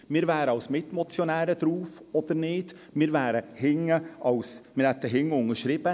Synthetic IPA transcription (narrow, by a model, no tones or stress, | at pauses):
mɪːɾʋæːɾəɑwsmɪt̪mɔt͡sjɔnæːɾəd̪̥ɾuːfɔd̪əɾnɪːd̥̪ | mɪːɾʋæːɾəhɪŋəʔɑʊsmɪɾhɛt̪ːəɦɪŋʊŋəʃɾɪb̥ə